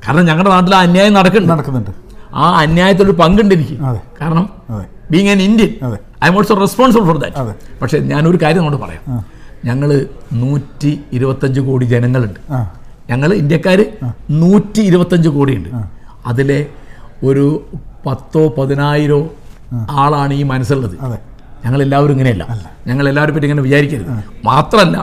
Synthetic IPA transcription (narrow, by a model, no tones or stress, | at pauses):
kaːɾɐɳɐmɲɐŋːɐɭɽenaːt̪̬ːilaːɐnjaːjɐmnɐɽɐkːuɳɖɨɐɽɐkːunːɳɖɨa̰ːɐnjaːjɐt̪̬ːiloɾupɐŋɡuɳɖiɾikʲːukaːɾɐɳɐm | e | biːŋːanindjɐne | ɐjmoːʈsorespoːɳs̬ɐblfɔrd̪ɐ̰tpɐkʂe̞ɲaːno̞ɾukaːɾjɐmnːoɳːɨpɐ̰rɐja̰ːm | ɲɐŋːɐɭɨnuːtːiiɾubɐt̪ːɐɲd͡ʑɨkoːɽid͡ʑe̞nɐŋːɐɭuɳɖɨ | ɲɐŋːɐɭindjɐkːaːɾɨnuːtːiːɾubɐt̪ːɐɲd͡ʑɨkoːɽijuɳɖɨɐðile̞o̞ɾupɐt̪ːo̞ːpɐðinaːjiɾoː | aːɭaːɳɨiːmɐnɐs̬ːiɭːɐðɨ | ɲɐŋːɐɭe̞lːaːʋɐɾumiŋːɐnejɐlːɐ̰ | ɲɐŋːɐɭe̞lːaːʋɐɾumpːɐtːiŋːɐneʋit͡ɕaːɾikʲːɐɾɐðɨmaːt̪rɐmɐlːɐ̰